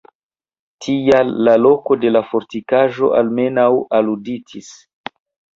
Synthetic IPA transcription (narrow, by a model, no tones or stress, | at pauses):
tʰijalːalo̞ko̞de̞lafo̞ɾtikaʒo̞̰ʔalme̞nawaluditʰis